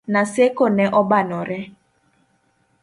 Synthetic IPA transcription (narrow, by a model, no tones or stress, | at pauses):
nasekonɛʔɔbanɔɾɛ